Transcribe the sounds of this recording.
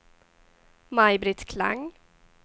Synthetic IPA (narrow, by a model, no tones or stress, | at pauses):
majbɾɪt̪kʰla̰ŋ